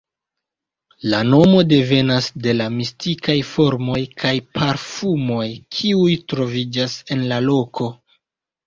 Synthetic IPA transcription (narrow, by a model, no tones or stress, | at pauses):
lano̞mo̞de̞ve̞nasde̞lamistikajfo̞ɾmo̞jkʰajpʰaɾfumo̞jkʰiujtɾo̞vid͡ʒase̞nlalo̞kʰo̞